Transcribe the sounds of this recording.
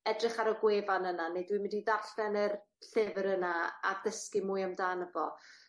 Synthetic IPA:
ɛdrɪχaɾəɡweːvanənanejdwimɪndiðaɬvɛnər | ɬɪvəɾənaa̰rdəskɪmʊːɨjamdaːnəvɔ

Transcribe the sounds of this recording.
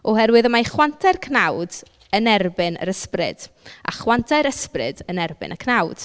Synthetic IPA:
ɔhɛrwɨðəmajχwantʰajrkʰnawd | ənɛrbɪnə̰ɾəsprɨ̰d̥ | a̰χwantʰaɨɾəsprɨ̰dənɛrbɪ̰nəkʰnawd̥

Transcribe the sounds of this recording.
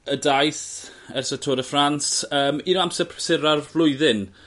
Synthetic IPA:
ədajθ | ɛrsətʰoːɾəfransəːminamsɛpʰsɪɾarvlˠʊɨðɪn

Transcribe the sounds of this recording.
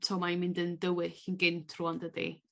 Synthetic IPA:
tʰɔmajmɪndəndəwɪɬənɡɪntʰruandədḭ

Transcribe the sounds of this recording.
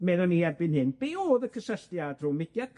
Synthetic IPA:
meðʊnːiɛrbɪnhɪnb̥eoːðəkʰəsəɬtjad̥rumɪɡ̥jḁk

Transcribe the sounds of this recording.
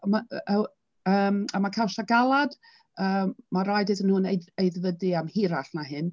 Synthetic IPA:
maə | əːmamakʰawsaɡalˠad̥ | əːaɾajdɨðənhʊnejejðvədɨamhiɾaɬnahɪn

